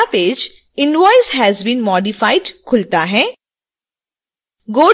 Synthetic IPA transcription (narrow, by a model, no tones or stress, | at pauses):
apeːd͡ʒ | ɪ̃nɖʋɔɪzɦɛzbĩːnmɔːɖifaɪɖkʰʊlt̪aɦɛː | ɡoː